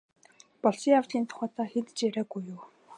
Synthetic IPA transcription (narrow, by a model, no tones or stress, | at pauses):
pɔɮsiːŋawɮiːnt̪ʰʊ̥χæːt̪aːxet̪ɘ̥̆t͡ɕjæɾæːɡujːuː